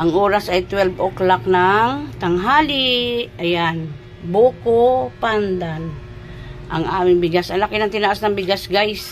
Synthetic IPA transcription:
ʔaŋʔoːɾasʔajt̪wɛlbʔoklaknaŋt̪aŋɦaːliʔajan | bukopand̪an | ʔa̰ŋaːmɪŋbɪɡasalakɪnaŋt̪ɪnaʔasnaŋbɪɡasɡajs

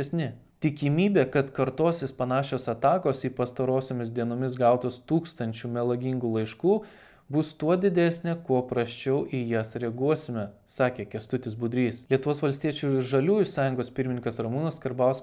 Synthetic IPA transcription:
ɛsʲnʲɪ | t̪ʲɪkʲɪmʲiːbʲeːkɐt̪kɐɾt̪oːsʲeːspɐnɑːʃʲoːsɐt̪ɑːkoːsiːpɐst̪ɐɾoːsʲoːmʲɪsd̪ʲiɛnoːmʲɪs̬ɡɑʊt̪oːst̪uːkst̪ɐnʲt͡ʃʲuːmʲɛlˠɐɡʲiŋɡuːlˠɐɪʃkuː | bʊst̪uɔd̪ʲɪd̪ʲæːsʲnʲekuɔpɾɐsʲt͡ʃʲɛʊʔijɛsɾʲɛɡuɔsʲɪmʲɛsɑːkʲeːkʲɛst̪ʊt̪ʲɪsbʊd̪ʲɾʲiːslʲiɛt̪ʊʋoːsʋɐlʲsʲt̪ʲiɛt͡ʃʲʊʒɐlʲuːjʊsɑːjʊŋɡoːspʲɪɾʲmʲɪnʲɪŋkɐsɾɐmuːnɐskɐɾbɑʊs

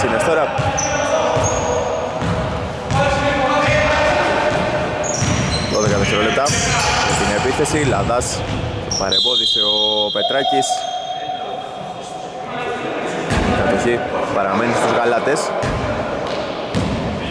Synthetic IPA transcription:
sinest̪oɾɐ | ðoðekɐðeseɾole̞p̚t̪ɐest̪ine̞piθe̞silɐðɐstopɐɾembo̞ðiseope̞t̪ɾɐcis | ikɐt̪oçipɐɾɐme̞nist̪uzɣɐlɐt̪e̞s

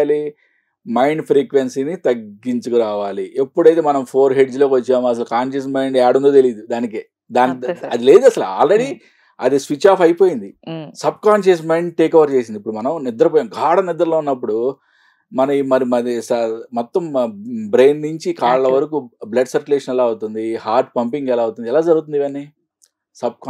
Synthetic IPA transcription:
ali | mɐjɳɖpʰɾiːkʋensinit̪ɐɡːiɲt͡ʃukuɾaːʋaːliepːuɽɐjt̪eːmɐnɐmpʰo̞ːɾɦe̞ɖd͡ʒlo̞ːkiʋɐt͡ʃːaːmuɐs̬ɐlɐkaːnʃɐs̬mɐjɳɖɛːɽund̪oːt̪eliːd̪ud̪aːnik̬eː | d̪aːnɐd̪ile̞ːd̪uɐsɐla̰ːlɾe̞ɽi | ɐd̪isʋit͡ʃaːfɐjpo̞ːjind̪isɐb̚kaːnʃɐs̬mejɳɖ̚ʈeːkɐʋɐɾt͡ʃe̞ːs̬ind̪ipːuɽumɐnɐmnɪd̪ɐɾɐp̬oːjaːmɡʱaːɽɐnɪd̪ːɐɾlo̞ːunːɐp̬ːuɽu | mɐnɐimɐɾimɐɾisɐmɔt̪ːɐmbɾe̞ːnːuɲt͡ʃikaːɭɐlɐʋɐɾɐkublɐɖsɐɾkulɛːʂɐnɛlaːut̪und̪iɦaːɾʈ̚pɐmpiŋɡɛlaːut̪und̪iɛlaːd͡ʒɐɾɡut̪und̪iʋɐnːi | sɐb̚k

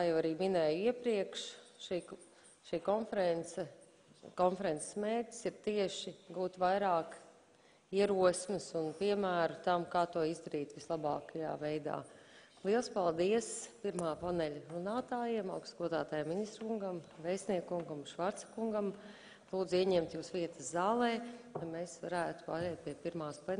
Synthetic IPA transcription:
t̪aːjɛwaɾiːminɛːjiɛpɾiɛkʃʃi | ʃiːkɔnfɾɛn | kɔnfɛɾɛnse̥smeːɾtʲi̥siɾt̪iɛʃiɡuːt̪vajɾaːk | iɛɾuɔsmɨsunpiɛmæːɾut̪amkaːt̪uɔizd̪aɾiːt̪ʋislˠabɑ̰ːkaja̰ːvejd̪a̰ː | lˠiɛlˠspalˠd̪iɛspiɾmaːpanɛʎʲɾunaːt̪aːjiɛmawkst̪ɡuɔd̪aːt̪aːjamːinist̪ɾkuŋɡamvɛjsniɛkkuŋɡamʃʋaɾt̪sɐ̥kuŋɡam | lˠuːd̪ziɛɲɛmt̪juːsʋiɛt̪əszaːlˠɛːk̪amɛsvaɾæːt̪u̥pa̰ːɾɛjt̪̚piɛpiɾmaːspɛ

